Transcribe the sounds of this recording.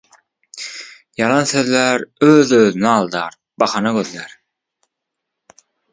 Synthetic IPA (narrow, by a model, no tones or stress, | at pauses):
jɑlˠɑnθøðlæɾøðøðynɛɑlˠd̪ɑːɾ | bɑχɑnɑɡøðlæɾ